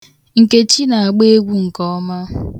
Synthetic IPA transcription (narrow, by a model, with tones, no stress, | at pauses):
ŋ̩˨ke˦t͡ʃi˦na˨a˨ɡ͡be˦e˦ɡʷu˦ŋ̩˨kɔ˦ɔ˦ma˦